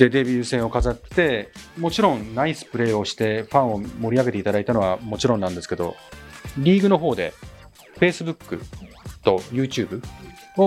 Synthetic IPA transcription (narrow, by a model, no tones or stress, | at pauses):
d̪̥e̞d̪e̞bʲiɯ̟ːsẽ̞ɰ̃o̞kazat̪ːe̞mo̞t͡ɕiɾõ̞nnaisɨ̥pɯ̟ɾe̞ːo̞ɕi̥t̪e̞ɸãɰ̃o̞mo̞ɾʲiaɡe̞t̪e̞it̪ad̪ait̪ano̞βamo̞t͡ɕiɾõnːãnd̪esɨ̥ke̞d̪o̞̰ɾʲiːɡɯ̟no̞ɦo̞ːd̪e̞̰ | ɸe̞ːsɨbɯ̟kːɯ̟ | t̪o̞jɯ̟ːt͡ɕɨːbɯ̟ | o